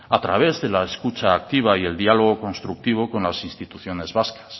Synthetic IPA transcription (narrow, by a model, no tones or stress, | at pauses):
at̪ɾaβ̞e̞zðe̞laeskut͡ʃaːk̚t̪iβ̞aie̞ld̪ialo̞ɣ̞o̞ko̞nst̪ɾuk̚t̪iβ̞o̞ko̞nlasinst̪it̪uθjo̞ne̞zβaskḁs